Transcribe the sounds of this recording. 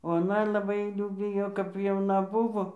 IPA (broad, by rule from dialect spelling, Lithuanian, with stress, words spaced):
oː ɐˈnɐ lˠɐˈbɐɪ ˈjuː ˈbʲɪjoː kɐp jɛʊˈnɐ ˈbʊʋoː